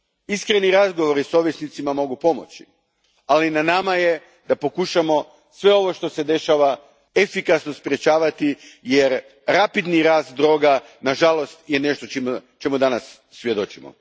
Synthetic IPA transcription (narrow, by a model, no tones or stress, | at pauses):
iskɾeniɾazɡo̞ʋo̞ɾiso̞ʋjesnit̪simamo̞ɡupo̞mo̞̰t͡ɕḭ | alinanamaje̞ | d̪apo̞kuʃamo̞ | sʋe̞o̞ʋo̞ʃt̪o̞se̞d̪e̞ʃaʋa | efikasnospɾje̞t͡ɕaːʋat̪ijeɾ | ɾapid̪niɾaːst̪d̪ɾo̞ːɡanaʒalo̞st̪je̞ne̞ʃt̪ot͡ʃimot͡ʃemud̪anasː | ʋje̞d̪o̞t͡ʃimo̰